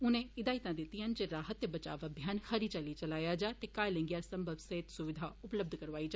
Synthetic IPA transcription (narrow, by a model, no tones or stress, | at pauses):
ʊnẽːɪd̪aːɪt̪ãːd̪ɪt̪ːĩɦənd͡ʒeɾaːɦət̪ːebət͡ʃa̰ːʋəbʱijaːnhəɾiːt͡ʃaliːt͡ʃəlaːjaːd͡ʒaːt̪eːkaːjlɪ̃ŋɡjaːɾsəmbʱəbseːt̪sʊʋɪd̪ʱaːʊpləb̚d̪ʱkəɾʋaːiːd͡ʒaː